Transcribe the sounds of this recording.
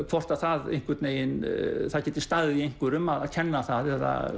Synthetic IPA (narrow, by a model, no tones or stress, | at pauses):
kʰvɔr̥t̪aθaðḛjŋ̥kvʏt̪neːjɪnθaðcɛːt̪ɪ̥st̪aːɣðiejŋ̥kʏɾʏmːaðaðcʰɛnːaθaðɛða̰